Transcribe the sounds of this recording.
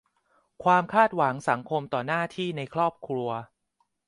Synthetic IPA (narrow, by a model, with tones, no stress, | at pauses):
kʰwaː˧mkʰaː˥˩t̪̚wa˩˦ŋsa˩˦ŋkʰo˧mt̪ɔː˨˩naː˥˩t̪ʰiː˥˩na˧jkʰɾɔː˥˩p̚kʰɾu˧ɐ